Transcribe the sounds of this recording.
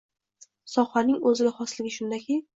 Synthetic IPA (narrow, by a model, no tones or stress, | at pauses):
sɒχanɪŋɵzɪɡʲaχɒslɪɡʲɪʃʊnd̪akʲʰɪ